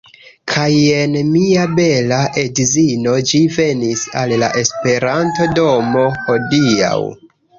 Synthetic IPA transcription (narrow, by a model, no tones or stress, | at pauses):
kʰaje̞nmiabe̞laʔe̞dzino̞d͡ʒive̞nisalːa̰ʔe̞spe̞ɾanto̞do̞mo̞ho̞dia̰w